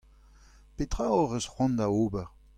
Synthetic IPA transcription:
pet̪ʁaɔʁəsχwɑ̃nd̪aoːbɛʁ

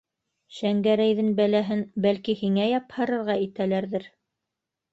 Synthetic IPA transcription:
ɕæŋɡæɾæjðɘnbælæɦɘnbælkihiŋæjɑphɤ̆ɾɤ̆ɾʁɑit̪ælæɾðɘɾ

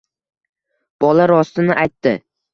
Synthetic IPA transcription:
b̥ɒlaɾɒst̪ɪnɪʔajt̪ːɪ

